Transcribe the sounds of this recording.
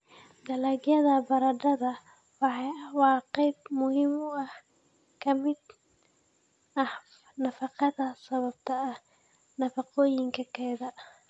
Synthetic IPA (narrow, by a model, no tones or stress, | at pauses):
d̪ɐlɐɡjɐðɐbɐɾɐɖɐðɐ | wɑħɑwɑːqɛjb̚mʊhɪmʊɐh | kʰɐmɪd̪ | ɐh | nɐfɑqɑðɐsɐβɐb̚t̪ʰɐːh | nɐfɑqɔːjɪŋkʰɐkʰɛːðɐ